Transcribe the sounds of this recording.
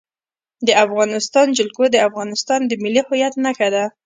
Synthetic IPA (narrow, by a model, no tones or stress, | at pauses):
d̪əafɣɑnɪst̪ɑnd͡ʒɪlkod̪əafɣɑnɪst̪ɑnd̪əmɪlihʊjat̪naxad̪a